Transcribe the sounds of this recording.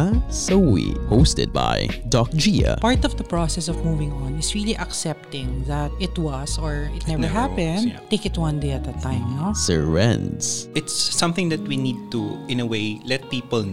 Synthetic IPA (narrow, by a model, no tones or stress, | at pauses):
sowḭhoʊstɨ̰d̚ba̰ɪdɔk̚d͡ʒiə̰pɑɹt̪ɔvðəpɹɔsɛsɔvmuvɪ̃ŋɔ̃nɪsɹilˠiʔəksɛp̚t̪ɪ̃ŋðæt̪̚ɪt̪wʌzɔ˞ɪt̪nɛvə˞ɦæpɛ̃ndteɪkɨtwʌ̃ndeɪɨt̪̚ðɨt̪ʰːãɪ̃mnosə̰ɛ̰̃ndsɪt̪sːʌ̃mθɪ̃ŋðɨt̪̚winid̪̚t̪uɪ̃nəweɪlɛt̪̚pipəl